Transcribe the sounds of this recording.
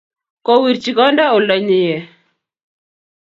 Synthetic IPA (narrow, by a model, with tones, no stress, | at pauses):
kɔ˦wi˨ɾt͡ʃi˨ɡɔ˦nda˦o˨lɔ˨ɲɪ˨jɛ˨